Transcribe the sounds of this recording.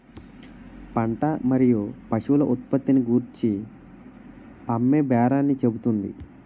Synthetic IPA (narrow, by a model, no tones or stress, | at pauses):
pɐɳʈɐmɐɾijupɐʂulɐʔut̪̚pɐt̪ːiniɡuːɾt͡ʃi | ɐmːebɛːɾaːnːit͡ʃe̞but̪und̪ḭ